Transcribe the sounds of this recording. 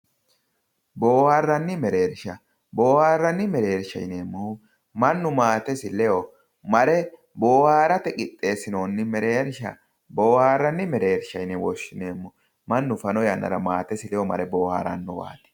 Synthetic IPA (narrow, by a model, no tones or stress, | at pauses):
boːhaːrːɐnːɪmɛɾe̞ːɾʃɐ | boːhaːrːɐnːɪmɛɾe̞ːɾʃɐ̰jneːmːɔ | mɐnːʊmaːt̪ɛsɪlɛɔ | mɐɾɛ | boːhaːɾɐt̪ɛkʼɪt̪ʼːe̞ːsɪnoːnːɪmɛɾe̞ːɾʃɐ̰ | boːhaːrːɐnːɪmɛɾe̞ːɾʃɐjnɛwɔʃːɪneːmːɔ | mɐnːʊfɐnɔjɐnːʔɐ̰ɾɐmaːt̪ɛsɪlɛjɔmɐɾɛboːha̰ːɾɐ̰nːɔwa̰ːt̪ɛ̥